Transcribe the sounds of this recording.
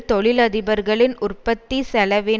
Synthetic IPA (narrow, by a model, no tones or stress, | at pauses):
t̪ɔɭɪlɐðɪbɐɾɣɐɭɪnʔʊrpɐt̪ːisɛlɐʋɪ